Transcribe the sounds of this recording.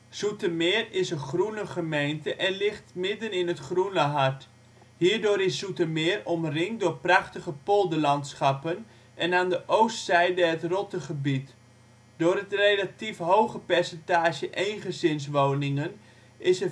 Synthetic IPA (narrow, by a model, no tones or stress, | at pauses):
sutəmɪːrɪsəχrunəχəmejntəʔɛnlɪχtmɪdənɪnətχrunəɦart | hiːrdoːɾɪssutəmɪːrɔmrɪŋdʊːrprɑχtəχəpolˠdəlɑntsχɑpən | ʔɛnaːndəʔowstsɛjdəɦətrɔtəχəbit | dʊːɾətrejlatifɦowχəpɛrsɛntaːʒjəʔejnχəzɪns̬ʋoːnɪŋən | ɪsə